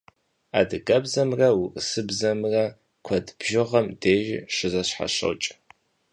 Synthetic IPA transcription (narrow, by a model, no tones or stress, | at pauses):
a̰ːdɨɡɐbzɐmrɐwʊrʼsɨbzɐmrɐ | kʷʰɐdb̥ʒɪʁɐmdeːʒɪʂɨzɐɕħa̰ɕɐ̰wt͡ʃʼ